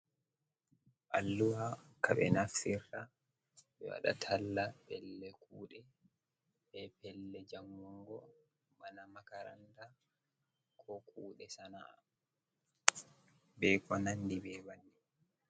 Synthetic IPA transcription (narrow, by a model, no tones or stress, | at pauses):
ʔalːuwa | kaɓɛ̰nafiɾːa | ɓɛ̰wa̰ɗa̰tʰalːapɛlːɛkuːɗɛ | ɓɛpɛlːɛd͡ʒamːɔŋɡɔ | manamakaɾa̰nda | kʰɔkʰuːɗɛsanaː | bɛkɔnandibɛwanːi